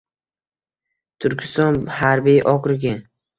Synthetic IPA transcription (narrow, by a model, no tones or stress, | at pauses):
t̪ʰʊɾkʲʰɪst̪ɒnhaɾbijʔɒkɾɪɡʲɪ